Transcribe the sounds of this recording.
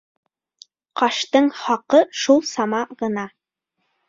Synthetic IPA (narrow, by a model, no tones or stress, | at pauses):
qɑʃt̪ɤɴχɑqɤʃulˠsɑmɑʁɤ̆nɑ